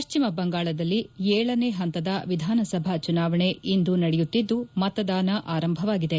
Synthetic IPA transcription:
pɐʃt͡ʃimɐbɐŋɡaːɭɐd̪ɐlːiɛːɭɐne̞ːɦɐnt̪ɐd̪ɐʋid̪ʱaːnɐsɐbʱat͡ʃunaːʋɐɳe̞ind̪unɐɽɛjut̪ːid̪ːumɐt̪ɐd̪aːnɐʔaːɾɐmbʱɐʋaːɡid̪e

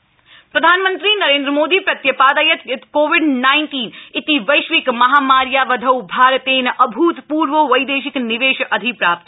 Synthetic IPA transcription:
pɾɐd̪ʱaːnmə̃nt̪ɾinɐɾẽːnd̪ɾəmoːd̪ipɾɐt̪jɐpaːd̪əjət̪t̪koːʋiɖnaɪnʈiːnit̪iʋɐjʃʋikmɐɦaːmaːɾjaʋəd̪ʱəwbʱaːɾət̪enʔəbʱuːt̪puːɾʋəʋɐjd̪eːʃikniʋeːʃʔɐd̪ʱipɾaːp̚t̪

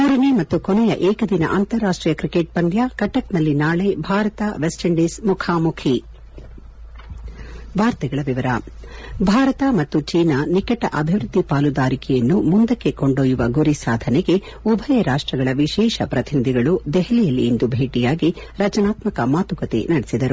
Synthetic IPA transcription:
muːɾɐnemɐt̪ːukɔnɛjɐʔɛːkɐd̪inɐ̰ʔaːnt̪ɐɾːaːʂʈɾiːjɐkɾikeʈ̚pɐnd̪jaːkɐʈːɐknɐlːinaːɭebʱaːɾɐt̪ɐʋesʈɐɳɖismukʰaːmukʰi | bʱaːɾt̪ɐɡɐɭɐʋiʋɐɾɐbʱaːɾɐt̪ɐmɐt̪ːut͡ʃiːnɐnikɐʈɐ̰ʔɐbʱiʋɾud̪ʱːipaːlud̪aːɾikɛjɐnːumund̪ɐkːe̞koɳɖoːjuʋɐɡuɾisaːd̪ʱɐnɛɡe̞ | ubʱɐjɐɾaːʂʈɾɐɡɐɭɐʋiʃɛːʃɐpɾɐt̪inid̪iɡɐɭud̪ɛɦɐlijɐlːiːnd̪ubʱeːʈijaːɡi | ɾɐd͡ʒɐnaːt̪mɐkɐmaːt̪ukɐt̪ḛnɐɽesid̪ɐɾu

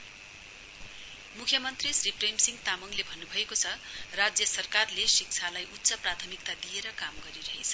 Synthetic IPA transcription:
mukʰjʌmʌnt̪risripremsiŋɡt̪amuŋlebʱʌnːubʱʌekot͡sʰʌrad͡zjʌsʌrkarlesik̚t͡sʰalajʔut̪ːsʌprat̪ʰʌmik̚t̪ad̪ijeɾʌkamɡʌɾiɾʌɦet͡sʰʌ

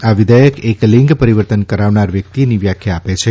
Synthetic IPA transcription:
aʋid̪ʱajəkeklĩŋɡpəɾiʋəɾt̪ənkəɾaʋnaɾʋjək̚t̪iniʋjakʰjaːpet͡ʃʰe

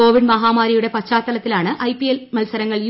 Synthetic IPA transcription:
o̞ːʋiɖmɐɦaːmaːɾɐjuɽe̞pɐt͡ɕaːt̪ːɐlɐt̪ːilaːɳɨʔɐjpijelmɐlsɐɾɐŋːɐɭj

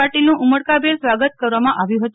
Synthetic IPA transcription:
aʈilnũʔuməɽkabelsʋaɡət̪kəɾʋamãʔaʋjũɦət̪u

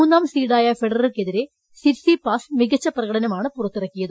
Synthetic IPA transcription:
muːnːaːmsiːɽaːjɐfeɖɐrilke̞ðiɾe̞ | siɾsipaːsmiɡɐt͡ɕːɐprɐɣɐɽɐnɐmaːɳɨpurɐt̪ːirɐkːijɐðɨ

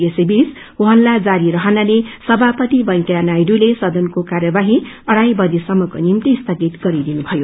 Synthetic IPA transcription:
esebis | uɦʌnlad͡zaɾiɾʌɦʌnanesʌbʱapʌt̪ibʌjkjanajɽulesʌd̪ʌnkokarjʌbaɦi | ʌɽajbʌd̪isʌmːʌko̰nimt̪ist̪ʰʌɡit̪ɡʌɾid̪inubʱʌjo

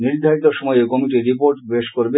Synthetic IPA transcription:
niɾd̪ʱaɾit̪oʃɔmɔjokɔmiʈiɾipoɾʈbeʃkoɾbe

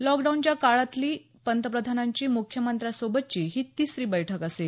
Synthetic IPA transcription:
lɔkɖawnt͡ɕjakaɭat̪liː | pənt̪əpɾəd̪ʱanaɲt͡ɕiːmukʰjəmənt̪ɾasobət̪̚t͡ɕiːɦiːt̪iːsɾiːbəjʈʰəkase

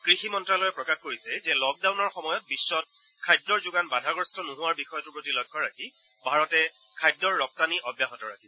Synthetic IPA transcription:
kɹiximɔntɹalɔjɛpɹɔkaxkoɹisɛzɛlɔk̚dawnɔɹxɔmɔjɔt̚bisːɔt̚ | kʰajdɹɔɹzʊɡanbadʱaɡɹɔstɔnʊɦʊwaɹbixɔjɔtʊpɹotilɔjkʰːɔɹaki | bʱaɹɔtɛ | kʰajdːɔɹːɔk̚taniʔɔbjaɦɔtɔɹakʰis

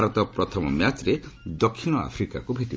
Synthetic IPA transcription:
aɾɔt̪ɔpɾɔt̪ʰɔmɔmjat͡ʃɾed̪ɔkʰːiñɔa̰pʰɾika̰kubʱeʈib

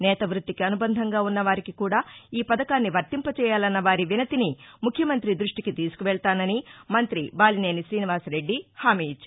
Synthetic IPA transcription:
nɛːt̪ɐʋɾut̪ːikiɐnubɐnd̪ʱɐŋɡaːunːɐʋaːɾikikuːɽaːiːpɐd̪ɐkaːnːiʋɐɾt̪impɐt͡ʃɛːjaːlɐnːɐʋaːɾiʋinɐt̪inimukʰjɐmɐnt̪ɾid̪ɾuʂʈikit̪iːsu̥kuʋɛɭt̪aːnɐnimɐnt̪ɾibaːline̞ːnisɾiːniʋaːsɾe̞ɖːihaːmiːit͡ʃːa

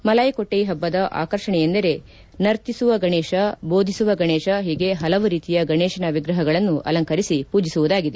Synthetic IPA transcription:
mɐlɐjkoʈːejɦɐbːɐd̪ɐʔa̰ːkɐɾʂɐɳɛjend̪ɐɾe̞ | nɐɾt̪isuʋɐɡɐɳeːʃɐbo̞ːd̪ʱisuʋɐɡɐɳeːʃɐɦiːɡe̞ɦɐlɐʋuɾiːt̪ijɐɡɐɳɛːʃɐnɐʋiɡɾɐɦɐɡɐɭɐnːuʔɐ̰lɐŋkɐɾisipuːd͡ʒisuʋud̪aːɡid̪e

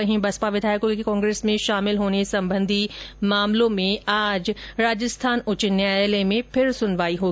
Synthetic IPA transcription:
ɐɦĩbɐspaʋɪd̪ʱaːjkokikɔ̃ːŋɡɾeːsmẽʃaːmɪlɦoːnesɐ̃mbə̃nd̪ʱimaːmlõmẽaːd͡ʒɾaːd͡ʒəst̪ʰaːnʊt͡ʃɪnjalemẽpʰɪɾsʊnʋaːiɦoː

